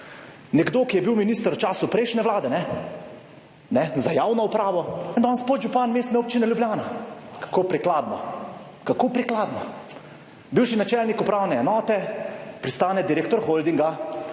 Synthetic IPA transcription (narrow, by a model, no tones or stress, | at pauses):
nɛɡd̪oːkijɛbiwminiːst̪əɾwt͡ʃaːsupɾɛjʃnɛʋlaːd̪ɛnɛ | nɛzajaːwnɔupɾaːʋɔɛnd̪ɔːnspod̪ʒupaːnmeːst̪nɛoːp̚t͡ʃinɛljubljaːnakḁkoːpɾiklaːd̪nɔ | kakoːpɾiklaːd̪nɔ | biwʃinat͡ʃɛlnikupɾaːwnɛːnɔːt̪ɛpɾist̪aːnɛd̪iɾeːk̚t̪ɔɾxold̪iŋɡa